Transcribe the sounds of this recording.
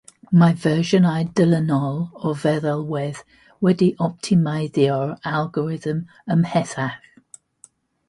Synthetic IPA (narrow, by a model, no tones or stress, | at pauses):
majvɜːʒənajdələnɔlˠɔvɛðɛlˠwɛð̥ | wɛdiʔɔp̚tʰɪmajðiɔɹalˠɡɔɹɪðəm | əmhɛθaχ